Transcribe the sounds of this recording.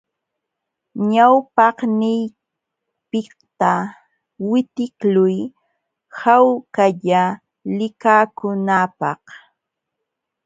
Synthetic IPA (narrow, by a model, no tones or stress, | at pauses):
ɲawpɑhnɪj | pɪ | t̪a | wɪt̪ɪklʊj | hawkaʎa | lɪkaːkʊnaːpɑh